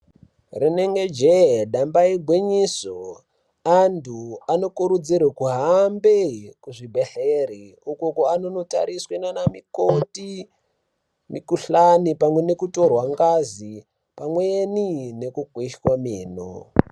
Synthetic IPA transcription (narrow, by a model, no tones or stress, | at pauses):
rineŋɡed͡ʒeɗambaiɡʱwiɲiso | antʰuano̞kuɾud͡zirwekuɦambekuʐibʱeɬeɾiukokoanono̞ta̰ɾiswenanamikoti | mikuɬanipamwe̞ne̞kuto̞rwaŋɡazi | pamweenine̞kukwiʃwamiːno̰